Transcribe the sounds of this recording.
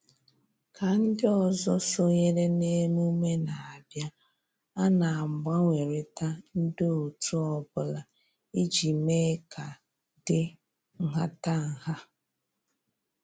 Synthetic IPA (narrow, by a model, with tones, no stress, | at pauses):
ka˨n̩˦dɪ˦ɔ˨zɔ˦so˦ɲe˦ɾe˦ne˦mu˦me˦na˨a˨bja˦ | a˦na˨a˨m̩˨ɡ͡bʷa˦ŋʷe˨ɾe˨ta˦n̩˦do˦o˨tʰu˦ɔ˨bʊ˦la˨ | i˦d͡ʒi˨me˦ka˨ | dɪ˦ | ŋ̩˨ɦa˦ta˦ŋ̩˨ha˦